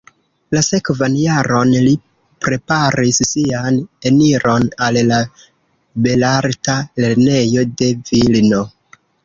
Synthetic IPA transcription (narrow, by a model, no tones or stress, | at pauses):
lase̞kvanjaɾo̞nli | pɾe̞paɾisːiane̞niɾo̞nalla | be̞laɾtale̞ɾne̞jo̞de̞vilno̞